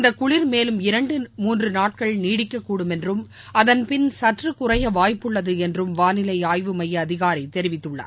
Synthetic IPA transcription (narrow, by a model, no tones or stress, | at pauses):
ɪnd̪ɐkːʊɭɪɾmeːlɯmɪɾɐɳɖɯmuːndrɯnaːʈ̚kɐɭniːɽɪkːɐkːuːɽɯmɛndrɯm | ɐðɐnpɪnsɐʈrɯkʊrɐjɐʋaːjpːɯɭːɐðɯɛndrɯmʋaːnɪlɐɪaːjʋɯmɐjɐːðɪɣaːɾɐɪt̪ɛɾɪʋɪt̪ːɯɭːɐ̰ːɾ